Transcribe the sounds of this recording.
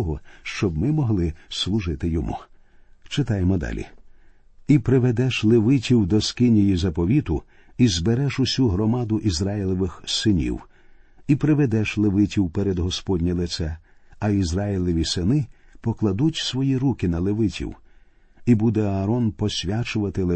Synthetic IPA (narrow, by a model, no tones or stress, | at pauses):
ɔɦɔʃt͡ʃɔbmɪmɔɦlˠɪslˠʊʒɪt̪ɪjɔmṵ | t͡ʃɪt̪ɑjemɔd̪ɑ̰lʲḭ | ipɾɪʋed̪ɛʃlˠeʋɪtʲiwd̪ɔskɪnʲijizɐpɔʋʲit̪ʊ | izbeɾɛʃʊsʲuɦɾɔmɑd̪ʊʔizɾɑjilʲˠɔʋɪxsɪnʲḭw | ipɾɪʋed̪ɛʃlˠeʋɪtʲiwpɛɾed̪ɦɔspɔdʲnʲilˠɪt̪sɛ | ɐizɾɑjilʲˠɔʋʲisɪnɪpɔklˠɐd̪utʲsʋɔjiɾukɪnɐlˠeʋɪtʲḭw | ibud̪ɛɐːɾɔnpɔsʲʋʲat͡ʃʊʋɐt̪ɪlˠe